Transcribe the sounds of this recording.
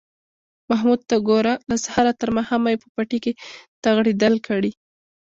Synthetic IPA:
maɦmud̪̚t̪aɡoɾalasahaɾat̪əɾmahamajepə̥paʈiket̪aɣɽed̪əlkʰaɽi

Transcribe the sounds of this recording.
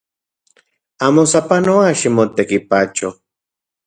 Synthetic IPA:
amosapanowaʃimot̪ekipat͡ʃo

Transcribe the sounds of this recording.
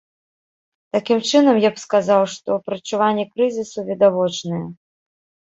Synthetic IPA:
t̪akʲimt͡ʂɨnɐmjapskazawʂt̪ɔpɾɐt͡ʂuvanʲːɛkɾɨzʲisuvʲid̪avɔt͡ʂnɨjɛ

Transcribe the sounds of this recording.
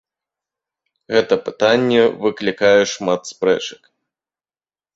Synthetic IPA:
ɣɛt̪ɐpɨ̥t̪anʲːɛvɨklʲikajɛʂmat̪spɾɛ̰t͡ʂɐ̥k

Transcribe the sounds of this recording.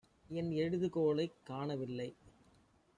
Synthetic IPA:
ɛnɛɻɯðɯkoːlɐɪkːaːɳɐʋɪlːɐɪ

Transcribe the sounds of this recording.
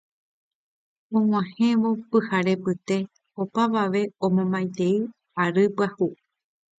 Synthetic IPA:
õŋ̃ãhẽʋo̞pɨhaɾe̞pɨt̪e̞ | opaʋaʋe̞õmõmbajt̪e̞i | aɾɨpahu

